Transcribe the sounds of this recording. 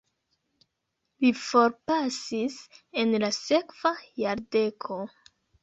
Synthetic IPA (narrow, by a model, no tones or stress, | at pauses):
lifo̞ɾpasise̞nlase̞kv̥ajaɾde̞kʰo̞